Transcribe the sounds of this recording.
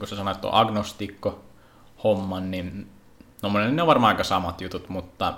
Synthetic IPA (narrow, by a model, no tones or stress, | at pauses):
kusesɑnoet̪ːo̰ʔɑɡnost̪iːkːo | homːɑnnin | t̪omːonennneoʋɑrmɑːɑˑikɑsɑmɑt̪jut̪ut̪mut̪ːɑ